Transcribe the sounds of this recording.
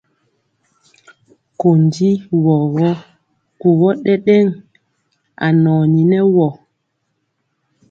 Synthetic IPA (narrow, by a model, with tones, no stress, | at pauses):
ko˨ndi˦wɔ˨ɣɔ˦ | ku˨ɣɔ˦ɗɛ˦ɗɛ˦ŋ | a̰˨nɔː˨ɲi˨nɛ˦wɔ˨